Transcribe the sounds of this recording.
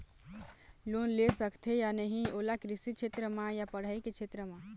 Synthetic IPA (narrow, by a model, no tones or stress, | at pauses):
loːnlesəkt̪ʰejanəɦĩolakɾɪsit͡ʃʰet̪ɾəmãjapəɽ̤aiket͡ʃʰet̪ɾəmã